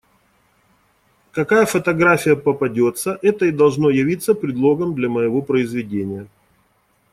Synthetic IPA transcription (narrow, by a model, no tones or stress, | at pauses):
kɐkajəfət̪ɐɡɾafʲɪjəpəpɐdʲo̞t̪səʔɛt̪əɪd̪ɐlˠʐno̞jɪvʲit̪sːəpɾʲɪd̪lˠo̞ɡəmd̪lʲɐməjɪvo̞pɾəɪzvʲɪdʲenʲɪjə